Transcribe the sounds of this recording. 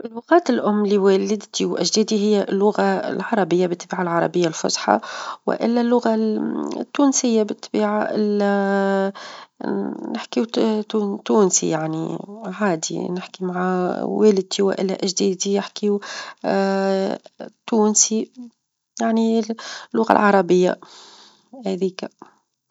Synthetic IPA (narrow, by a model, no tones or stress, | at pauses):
ʔɪlːʊɣaːt̪ɪlʔʊmːliweːlɪd̪t̪iwʔaʒd̪eːd̪iɦɪjːalːʊɣa̰lʕɑɾˤɑbɪjːabɪt̪ːbiːʕalʕɑɾˤɑbɪjːalfʊ̰sħɑ̰wɪ̰ʔɪ̰lːalːʊɣa | t̪ːuːnsɪjːabɪt̪ːbiːʕaʔɪla | nɪħki | t̪uːnsḭjaʕnḭʕaːd̪ḭnɪħkimaʕaweːl̚t̪iwɪ̰ʔɪ̰lːa̰ʔɪʒd̪iːd̪ijɪħkiu | t̪uːnsi | jaʕnilːʊɣa̰lʕɑɾˤɑbɪjːa̰ | hæðiːk